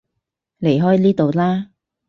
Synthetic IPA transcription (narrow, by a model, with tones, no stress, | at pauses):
le˨˩jɦɔː˥jniː˥t̪o˨˧wlaː˥